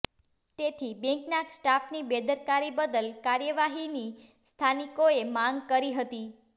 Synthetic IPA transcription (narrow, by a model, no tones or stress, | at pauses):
t̪et̪ʰibẽŋknaksʈafnibed̪əɾkaɾibəd̪əlkaɾjəʋaɦinist̪ʰanikoemãŋɡkəɾiɦət̪i